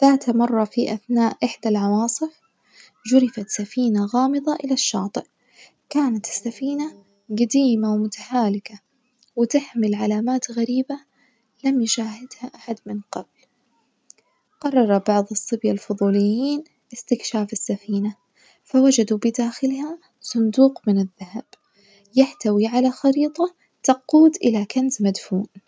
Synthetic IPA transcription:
ðaːt̪mɑrˤːɑfiʔaθnaːʔʔɪħd̪alʕɑwɑːsˤɨf | d͡ʒʊɾɪfat̪safiːnaɣɑːmɨðˤɑʔɪlaʃːɑ̰ːt̪ˤɨʔ | kaːnat̪ɪ̥sːafiːna | ɡad̪iːmawmʊt̪ḁħaːlɪka | wɪt̪ɪħmɪlʕalaːmaːt̪ɣaɾiːba | lamjɪʃaːɦɪd̪haʔaħad̪mɪnqɑbl | qɑrˤːɑɾˤɑbɑʕðˤɨsˤːɨbjalfʊðˤuːlɪjːiːn | ʔɪst̪ɪkʃaːfɪsːafiːna | fawad͡ʒad̪ubɪd̪aːxɪlha | sˤʊnd̪uːqmɪnɪðːahab̥ | jɪħt̪awiʕalaxɑɾiːt̪ˤɑ | t̪ɑquːd̪ʔɪlakanzmad̪fuːn

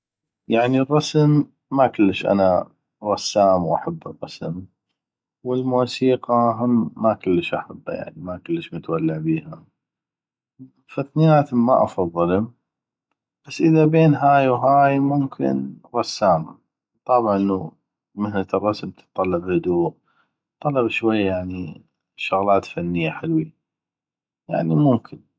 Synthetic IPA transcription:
jaʕnirˤːɑsmː | akʊlːəʃʔa̰na | ɾˤɑsːaːmwʔa̰ħabːɨrˤːɑsəm | wɪlmuːsiːqaɦaːakʊlːəʃʔa̰ħabːa̰ja̰ʕnimakʊlːəʃmʊt̪walːɪʕbiːha | faθnɪjaːt̪mːa̰ʔɑfɑðˤːɨlʊm | b̥asːʔəðabeːnɦaːjwɦaːjmʊmkʰɪ̰nɾˤɑsːaːma̰ | t̪ˤɑbʕɑʔnːu | mɪhnat̪ɨrˤːɑsmt̪ɪ̥t̪ˤːɑlːɑbhʊd̪uːʔ | t̪ˤːɑlɑbʃwajːajaʕni | ʃʊɣlaːt̪fanːɪjːaħɪlwi | ja̰ʕnimʊmkʰɪn

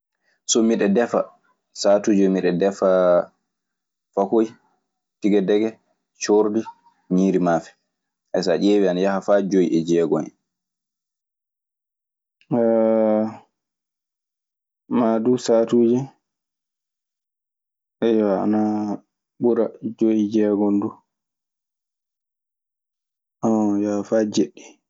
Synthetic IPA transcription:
sɔmiɗɛdɛfa̰ | saːtuːd͡ʒɛmiɗɛdɛfa | fakoj | tiɡɛdɛɡɛ | t͡ʃoɾdi | ɲiːɾimafɛ̥ | ʔɛsa̰ʔeːwianajahafad͡ʒojʔɛd͡ʒɛːɡɔnɛ | madusatuːd͡ʒi | ʔɛjwaa̰na | ɓuɾad͡ʒojid͡ʒɛːɡɔndu | ʔajahafad͡ʒeɗːi̥

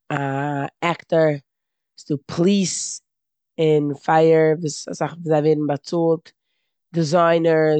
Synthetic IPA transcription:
aɛktəɾ | sɪdupʰlˠiːs | ɪnfaɪəɾviːsasaχviːzaɪveːdn̩bat͡solˠt | dɪzaɪnə

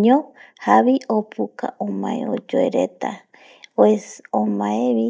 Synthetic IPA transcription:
ɲõ | haβiopuka̰ʔõmaḛo̰d͡ʒoeɾḛt̪a | oeomaeβi

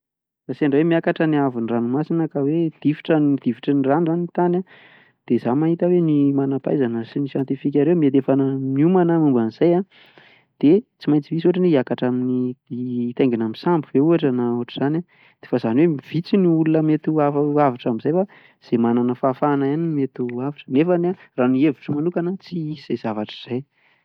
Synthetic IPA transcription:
ɾasiaɳɖ͡ʐawemiakaʈ͡ʂəniaviniranumasinəkawed̪̥ifi̥ʈ͡ʂənid̪̥iviʈ͡ʂəniranuzanit̪ana | d̪̥ezamaɦit̪əwenimanapa̰jzanəsinisjant̪ifik̬ʲaɾemiet̪efanəmiumanəmumbaniz̥aja | d̪̥et͡simajt͡simisuaʈ͡ʂaneiakaʈ͡ʂamini | t̪eŋɡinamisambuveuaʈ͡ʂanauɦaʈ͡ʂəz̥ana | d̪̥efazaniwemiv̥it͡siniulunəmet̪uafavaʈ͡ʂamizajfa | z̥emananəfafanajanimet̪uavaʈ͡ʂə̥nefanaranievuʈ͡ʂəmanukanət͡siiz̥ez̥avaʈ͡ʂə̥z̥aj

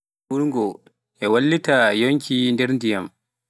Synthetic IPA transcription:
uɾŋɡɔ | ʔɛwalːitajoŋkʰindɛɾndijam

